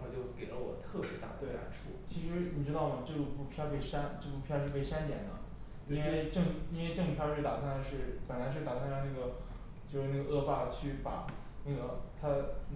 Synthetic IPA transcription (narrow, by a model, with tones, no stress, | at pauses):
xo˥˧ʊt͡ɕjo˥˩ʊke˨˩lə̰˦wɔ̰˨˩t̪ʰɤ˥˩ʂɻ̩˧˥t̪a̰˨˩t̪we˥˩ɪla̰˧˥ɪʈ͡ʂʰṵ˥˩t͡ɕʰi˧˥ʂɻ̩˧˥ni˨˩ʈ͡ʂɻ̩˥t̪ɑ˥˩ʊmə˩ʈ͡ʂɤ˥˩u˥˩pu˥˩pʰjɑ˥pe˥˩ɪʂa˥nʈ͡ʂɤ˥˧pu˥˩pʰjɑ˥ʊʂ̬ɻ̩˥˧pe˥˩ɪʂa˥nt̪jɛ˨˩nd̪ə̰˦ | i˥nwe˥˧ɪʈ͡ʂɤ˥˩ŋi˥nwe˥˧ɪʈ͡ʂɤ˥˩ŋ˩pʰjɑ˥˧ʊʂɻ̩˥˩t̪a̰˨˩a˥na˧˥ʂɻ̩˥˩pə˨˩nla˧˥ɪʂ̬ɻ̩˥˩t̪a˨˩t̪ʰa˥na˧na˥˩ɡə˩ | t͡ɕjo˥˧ʊʂɻ̩˥˧na˥˩ɡə˩ʔɤ˥˧pa˥˧˩t͡ɕʰy˥˩pa̰˨˩ | na˥˩ɡə˩t̪ʰa˥